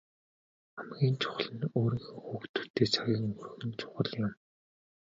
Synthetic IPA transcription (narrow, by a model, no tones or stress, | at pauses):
amɡʲiːnt͡ɕʰʊ̥χ̆ɮə̆noːɾiːxɘ̆ŋxuːxt̪ʰu̥t̪eːt͡sʰaɣʲiːŋur̆xɘ̆nt͡ɕʰʊ̥χə̆ɮjam